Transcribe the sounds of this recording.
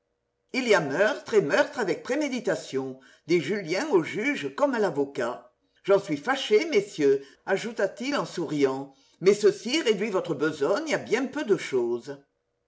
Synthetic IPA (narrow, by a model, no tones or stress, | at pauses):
iliamœʁt̪χemœʁt̪χavɛk̚pχemed̪it̪asjɔ̃ | d̪eʒyljɛ̃oʒyʒəkɔmalavoka | ʒɑ̃sɥifaʃemesjø | aʒut̪at̪ilɑ̃suʁijɑ̃ | mɛsəsiʁed̪ɥivɔt̪χəbəzɔɲabjɛ̃pød̪əʃozə